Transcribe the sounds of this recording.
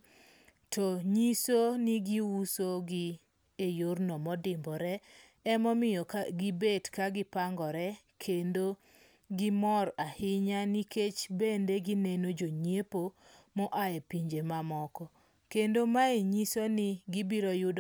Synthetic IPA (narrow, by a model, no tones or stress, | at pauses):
tʰɔɲisonɪɡiwusoɡɪ | ejornɔmɔdɪmbɔɾɛ | ɛmɔmɪjɔɡɪbedkaɡɪpaŋɡɔɾɛ | kʰendo | ɡɪmɔɾahɪɲaniket͡ʃbendeɡinenod͡ʒoɲjepomɔʔaɛpiɲd͡ʒemamɔkɔ | kendomaeɲisonɪɡibiɾojʊd